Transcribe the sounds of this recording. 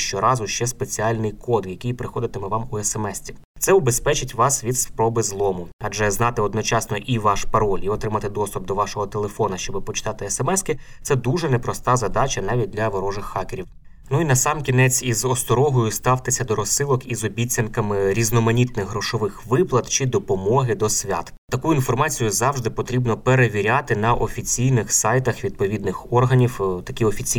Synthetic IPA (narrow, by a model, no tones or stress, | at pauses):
ʃt͡ʃɔɾɑzʊʃt͡ʃɛspe̞t͡sʲiɑlʲnɪjkɔd̪jɐkɪjpɾɪxɔd̪ɪt̪emɛʋɑmuɛsemɛsʲtʲiw | t̪sɛʊbe̞spɛt͡ʃɪtʲʋɑsʋʲid̪spɾɔbɪzlˠɔmʊɐʒɛznɑt̪ɪɔd̪nɔt͡ʃɑsnɔʔiʋɑʃpɐɾɔlʲiɔt̪ɾɪmɐt̪ɪd̪ɔst̪ub̚d̪ɔʋɑʃɔɦɔt̪elˠefɔnɐʃt͡ʃɔbɪpɔt͡ʃɪ̥t̪ɑt̪ɪesɛmɛskɪ | sɛd̪uʒɛnepɾɔst̪ɑzɐd̪ɑt͡ʃɐnɑʋʲit̚ʲd̪lʲɐʋɔɾɔʒɪxːɑkeɾʲiw | nuinɐsɑmkʲinɛt͡sʲizɔst̪ɔɾɔɦɔjʊst̪ɑwt̪ɪsʲɐd̪ɔɾɔsːɪlˠɔkizɔbʲit͡sʲːɐnkɐmɪɾʲiznɔmɐnʲit̪nɪɣɦɾɔʃɔʋɪxʋɪplˠɐt̪t͡ʃid̪ɔpɔmɔɦɪd̪ɔsʲʋʲa̰t̪ | t̪ɐkuʊinfɔrmɑt͡sʲijʊzɑwʒd̪ɪpɔt̪ɾʲibnɔpeɾeʋʲiɾʲat̪ɪnɐʔɔfʲit͡sʲijnɪxsɑjt̪ɐxʋʲid̪̚pɔʋʲid̪̚nɪxɔrɦɐnʲiwt̪ɐkʲiɔfʲit͡sʲi